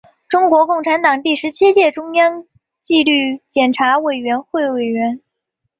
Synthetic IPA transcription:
ʈ͡ʂʊ˥ŋkwɔ˧˥kʊ˥˩ŋʈ͡ʂʰa˧˥nt̪ɑ˨˩ŋt̪i˥˩ʂɻ̩˧˥t͡ɕʰi˥t͡ɕjɛ˥˩ʈ͡ʂʊ˥ŋjɑ˥ŋ | t͡ɕi˥˧ly˥˩t͡ɕjɛ˨˩nʈ͡ʂʰa˧˥we˨˩ɪɥɛ˧˥nxwe˥˩ɪwe˨˩ɪɥɛ˧˥n

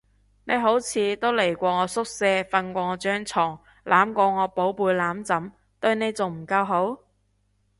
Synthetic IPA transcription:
ne˨˧jɦo˨˥wt͡sʰiː˨˥t̪o˥wle˨˩jkʷɔː˧ŋɔː˨˧sʊ˥k̚sɛː˧fɐ˧nkʷɔː˧ŋɔː˨˧t͡ʃœː˥ŋt͡sʰɔː˨˩ŋ | laː˨˥mkʷɔː˧ŋɔː˨˧po˨˥wpuː˧jlaː˨˥mt͡sɐ˨˥m | t̪ɵ˧ɥne˨˧jt͡so˨wm̩˨˩kɐ˧wɦo˨˥w

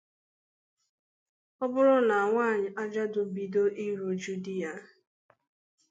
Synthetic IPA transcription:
ɔ˦bʊ˦ɾʊ˦na˨a˨ŋʷaː˦˨ɲɪ˨ʔa˦d͡ʒa˦dʊ˨bi˦do˦ʔi˦ɾu˨d͡ʒu˦di˦a˨

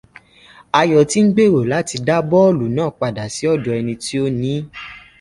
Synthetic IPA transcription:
a˧jɔ˨ti˦ŋ̩˦ɡ͡be˦˨ɾo˨la˨˦ti˧da˦bɔ˦lu˨nãː˦˨k͡pa˨da˨si˨˦ɔ˦˨dɔ˨ɛ˧nĩ˧ti˦o˦nĩ˨˦

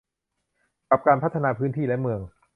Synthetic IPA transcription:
ka˨˩p̚kaː˧npʰa˦˥t̪ʰːa˧naː˧pʰɯː˦˥nt̪ʰiː˥˩lɛ˦˥mɯ˧əŋ

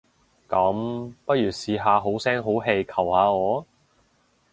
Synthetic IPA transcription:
kɐ˨˥mpɐ˥t̚jyː˨˩siː˧ɦaː˧ɦo˨˥wsɛː˥ŋɦo˨˥wɦe˧jkʰɐ˨˩whaː˨˧ŋɔː˨˧

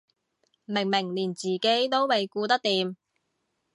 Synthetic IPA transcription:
mɪ˨˩ŋmɪ˨˩ŋliː˨˩nt͡siː˨ke˨˥jt̪o˥wmɐ˨jkuː˧t̪ɐ˥k̚t̪iː˨˧m

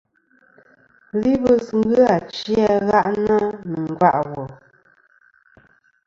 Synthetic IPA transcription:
li˦bə˦sŋ̩˦ɡɯ˦a˨t͡ʃja˦ɣa˦ʔnə˦nə˨ŋ˨ɡwa˦ʔwo˨

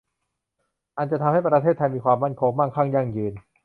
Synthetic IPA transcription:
ʔa˧nt͡ɕa˨t̪ʰa˧mha˥˩jpɾa˧e˥˩t̪ʰːa˧jmiː˧kʰwaː˧mːa˥˩nkʰoː˧ŋma˥˩ŋkʰaː˥˩ŋja˥˩ŋjɯː˧n

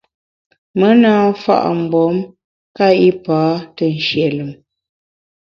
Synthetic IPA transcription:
mə˦naː˦fa̰˦ʔm̩˨bɔ˨˦m | ka˦i˦paː˨˦tə˨n̩˨ʃje˨lə˨m

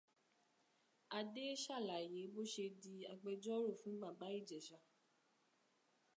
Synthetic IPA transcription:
a˧de˦ʃa˦˨la˨je˨˦bo˦ʃe˧di˧a˧ɡ͡bɛ˧d͡ʒɔ˦ɾo˦˨fũ˨˦ɡ͡ba˦˨ba˨˦i˦˨d͡ʒɛ˨ʃa˧

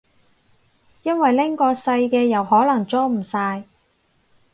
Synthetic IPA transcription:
jɐ˥nwɐ˨jlɪ˥ŋkɔː˧sɐ˧jkɛː˧jɐ˨˩whɔː˨˥lɐ˨˩ŋt͡sɔː˥m̩˨˩saː˧j

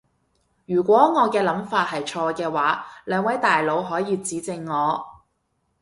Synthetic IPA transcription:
jyː˨˩kʷɔː˨˥ŋɔː˨˧kɛː˧lɐ˨˥mfaː˧t̚ɦɐ˨jt͡ʃʰɔː˧kɛː˧waː˨˥lœː˨˧ŋwɐ˨˥jt̪aː˨jlo˨˧wɦɔː˨˥jiː˨˧t͡siː˨˥t͡sɪ˧ŋːɔː˨˧

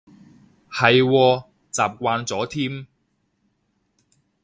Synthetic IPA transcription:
hɐ˨jwɔː˧ | t͡saː˨p̚kʷaː˧nt͡sɔː˨˥t̪ʰiː˥m

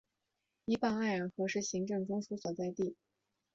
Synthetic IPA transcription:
i˧˥pa˥˩ŋa˥˩ɪɻə˧˥nxɤ˧˥ʂɻ̩˥˩ɕi˧˥ŋʈ͡ʂɤ˥˩ŋʈ͡ʂʊ˥ŋsu˧˥swɔ˨˩t͡sa˥˧ɪt̪i˥˩

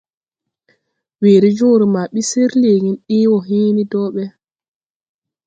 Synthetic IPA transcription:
weː˨ɾi˦d͡ʒoː˦ɾima˨ɓise˦ɾle˨ɡi˨nɗiː˦wɔɦiː˦nidɔːɓɛ

